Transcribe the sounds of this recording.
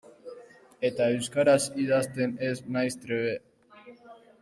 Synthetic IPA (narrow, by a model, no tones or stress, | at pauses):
et̪aewskaɾasiðast̪e̞neznajst̪ɾeβe